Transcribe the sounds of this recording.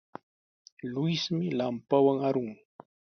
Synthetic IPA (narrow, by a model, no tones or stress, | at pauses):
lʊjsmɪlampawaŋaɾʊŋ